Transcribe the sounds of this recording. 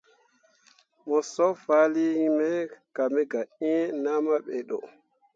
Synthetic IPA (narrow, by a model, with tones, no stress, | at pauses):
mɔ˨sɔ˦fa˦li˦mɛ˦ka˨mɛ˦ɡa˨ʔi˦na˦ma˦ɓɛ˨ɗɔ̰˨